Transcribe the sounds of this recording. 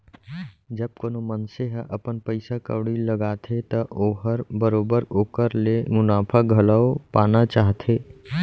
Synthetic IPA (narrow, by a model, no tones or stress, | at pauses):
d͡ʒəb̚koːnomənseɦʔɐpənpəɪsakə̰wɽiləɡaːt̪ʰet̪ɐʔoːɦəɾbəɾoːbəɾoːkəɾlemʊnaːpʰaɡʱələopaːnat͡ʃaːɦt̪ʰeː